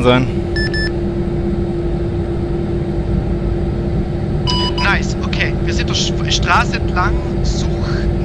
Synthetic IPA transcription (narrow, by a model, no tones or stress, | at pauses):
nzaɪn | naɪsokʰeːviːɐzɪ̃ntd̥eːfɛʃtʁ̥aːsəɛntʰlaŋ | zuːx